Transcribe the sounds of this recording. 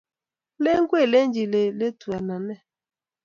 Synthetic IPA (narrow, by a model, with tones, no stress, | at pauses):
le˦ŋ̩˦ɡʷe˦˨le˦n˦d͡ʒi˨le˨le˦tu˨a˨na˨nɛ˦